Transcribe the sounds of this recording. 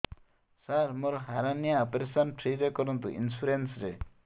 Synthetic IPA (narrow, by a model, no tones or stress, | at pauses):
saɾmoɾɔɦaɾanijaɔpeɾesanʈʰɾiɾekɔɾɔnt̪ṵʔḭnsuɾensɾe